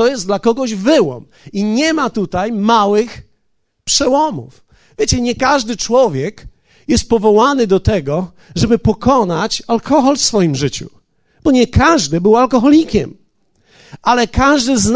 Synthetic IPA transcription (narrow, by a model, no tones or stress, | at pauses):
ɔjɛslakɔɡɔʑvɘwɔ̰m | iɲɛmat̪ut̪ajmawɘx | pʂɛwɔmṵf | vʲjɛt͡ɕɛɲɛkaʐd̪ɘt͡ʂwɔvʲjɛk | jɛst̪̚pɔvɔwanɘd̪ɔt̪ɛɡɔ | ʐɛbɘpɔkʰɔnat͡ɕalkʰɔxɔlfsfɔjimʐɘt͡ɕṵ | b̥ɔɲɛkaʐd̪ɘbɘwalkɔxɔlʲikʲɛ̰m | alɛkaʐd̪ɘzn